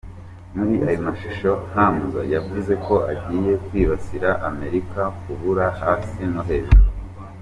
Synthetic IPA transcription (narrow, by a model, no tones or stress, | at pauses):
muɾiʔajomaʃi̥ʃo̞n̥amza̰javuze̞ko̞ʔaɟiːje̞kwiːβasiɾaʔame̞ɾikakuβuɾahaːsinoɦeːze